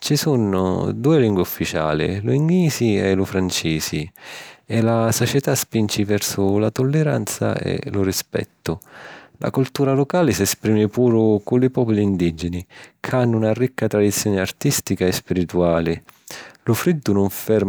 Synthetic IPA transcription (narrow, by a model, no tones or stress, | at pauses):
t͡ʃisunːʊ̰d̪uːɪliŋɡwɪufːit͡ʃa̰ːlɪ̰luiŋɡiːziɛlʊfɾant͡ʃiːzi | ɛlasot͡ʃɛt̪aspint͡ʃivɛrsʊlat̪ʊlːɛɾa̰nt̪sa̰ɛ̰lʊrispɛ̰t̪ːʊlʔa̰kult̪uːɾalɔkaːlɪsɛspɾiːmɪpuːɾʊkʊlɪpɔːpʊliːnd̪id͡ʒɪnikʰanːʊunarikːat̪ɾad̪it̪sːjɔːnɪart̪ist̪ikaɛspiɾit̪uaːlɪlʊfɾid̪ːʊnʊɱfɛrm